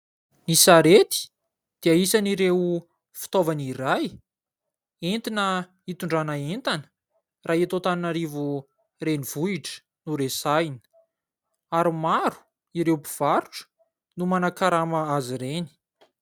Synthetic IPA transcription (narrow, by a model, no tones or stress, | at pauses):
nisaɾet̪i̥ | d̪̥iaisaniɾew | fi̥t̪ovaniɾaj | ent̪inə | it̪uɳɖ͡ʐanaent̪anə̥ | rʔaːet̪ot̪aninaɾivu | reniv̥uiʈ͡ʂə̥ | nuɾesajnə̥ | aɾimaɾu̥ | iɾewpi̥v̥aɾuʈ͡ʂə̥ | numanakaɾamaaziɾeni̥